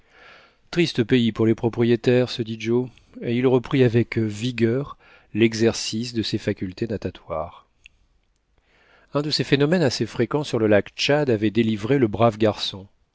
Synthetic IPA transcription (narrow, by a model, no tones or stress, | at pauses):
t̪χist̪əpeipuʁlepχɔpχijet̪ɛʁsəd̪id͡ʒo | eilʁəpχiavɛkviɡʲœʁ | lɛɡzɛʁsisd̪əsefakʲylt̪enat̪at̪waːʁ | ɛ̃d̪əsefenɔmɛnasefχekɑ̃syʁləlakt͡ʃad̪avɛd̪elivʁeləbʁavɡaʁsɔ̃